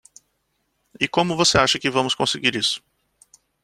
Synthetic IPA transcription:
ɪkõmʊvoseaʃɐkɪvɐ̃mʊskõsɪɡiɾisʊ̥

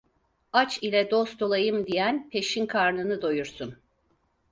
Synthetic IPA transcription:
at͡ʃilʲɛd̪ost̪ʰolˠajɯmd̪ijænpʰe̞ʃinkʰaɾnɯnɯd̪o̞juɾsun

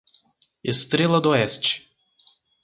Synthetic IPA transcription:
est̪ɾelˠɐd̪oɛst͡ʃɪ̥

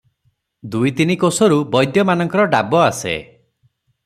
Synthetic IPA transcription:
d̪ujt̪inikosɔɾubɔjd̪jɔmanɔŋkɔɾɔɖabɔasḛ

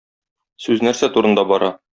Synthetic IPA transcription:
sʉznæɾsæt̪uɾɤ̆nd̪ɑbɒɾɑ

